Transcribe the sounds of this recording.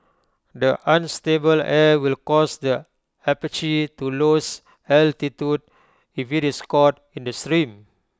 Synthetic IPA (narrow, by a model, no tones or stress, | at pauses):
dəʔãnstebəlɛwilkɔsdə | ɛpit͡ʃitulos | altitjud̚ | ifitiskɔt | ĩndəstɾĩm